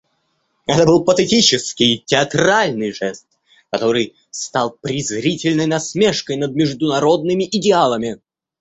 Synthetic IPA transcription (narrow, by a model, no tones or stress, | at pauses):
ɛt̪əbɨlˠpət̪ɛtʲit͡ɕɪskʲɪjtʲɪɐt̪ɾalʲnɨjʐɛst̪̚ | kɐt̪o̞ɾɨj | st̪ɑlˠpɾʲɪzɾʲitʲɪlʲnəjnɐsmʲeʂkəjnəd̪̚mʲɪʐd̪ʊnɐɾo̞d̪̚nɨmʲɪʔɪdʲɪalˠəmʲɪ